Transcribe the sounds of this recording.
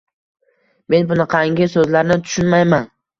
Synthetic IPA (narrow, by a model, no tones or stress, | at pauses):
me̞nbʊnɪqʰɑŋɡʲɪsɵzlaɾnɪt̪ʰʊ̥ʃʊnmajman